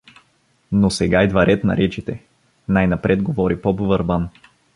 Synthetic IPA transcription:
nosɛɡaid̪vɐɾɛt̪nɐ̰ɾɛt͡ʃit̪ɛ | najnɐpɾɛd̪ɡovɔɾipɔbovəɾban

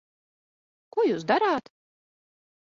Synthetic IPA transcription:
kujuːs̬d̪aɾaːt̪

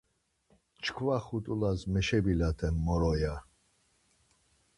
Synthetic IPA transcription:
t͡ʃʰkʰvaχut̪ʼulazmɛʃɛbilat̪ʰɛmːɔɾɔja

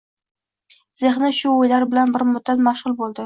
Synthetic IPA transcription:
z̥eχnɪʃʊojlaɾbɪlanbɪɾmʊd̪̚at̪maʃʁʊlˠbolˠd̪ɪ

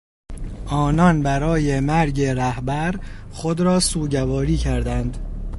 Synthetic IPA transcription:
ʔɒːnɒnbæɾɒːjemæɾɟeɾæhbæɾχod̪ɾɒːsuːɟævɒːɾiːcʰæɾd̪ænd̪

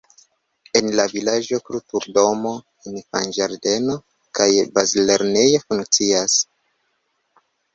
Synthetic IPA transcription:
e̞nlavilad͡ʒo̞kɾutuɾdo̞mo̞ | enfa̰nd͡ʒaɾde̞no̞ | kajbazleɾne̞jofuŋk̚t͡sias

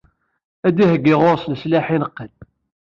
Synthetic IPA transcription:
æd̪ihəɡːɪʁoɾsnəslaħinəqːəl

